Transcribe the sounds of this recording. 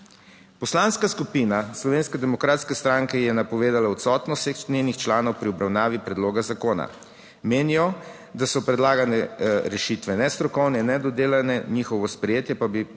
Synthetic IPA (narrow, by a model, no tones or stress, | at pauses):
pɔslanskaskupiːnaslɔʋeːnskɛd̪ɛmɔkɾaːt̪skɛst̪ɾaŋkɛjɛnapɔʋeːd̪alaɔt̪sɔt̪nɔsexnenixt͡ʃlaːnɔwpɾiɔbɾawnaːʋipɾɛd̪loːɡazakoːna̰ | meːnijɔ | d̪asɔpɾɛd̪laːɡanɛɾɛʃit̪ʋɛnɛst̪ɾɔkɔwnɛinːɛd̪ɔd̪eːlanɛnixɔʋɔspɾɛjeːt̪jɛpabi